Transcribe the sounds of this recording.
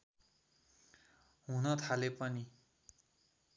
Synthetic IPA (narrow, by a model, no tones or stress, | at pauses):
ɦunʌt̪ʰalepʌni